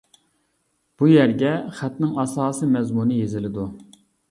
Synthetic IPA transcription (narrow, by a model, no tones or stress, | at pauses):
b̥ujæɾɡʲɛχæt̪nɪŋɑsɑːsimɛzmunɨjezɪlɪd̪u